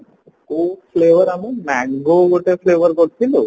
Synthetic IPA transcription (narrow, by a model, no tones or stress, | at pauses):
kopʰleʋəɾamimɛŋɡoɡoʈepʰleʋəɾkɔɾt̪ʰilo